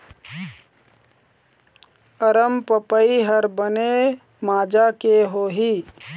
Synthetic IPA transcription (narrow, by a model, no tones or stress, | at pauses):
əɾəmpəpəiɦəɾbəne | maːd͡ʒakeɦoːɦi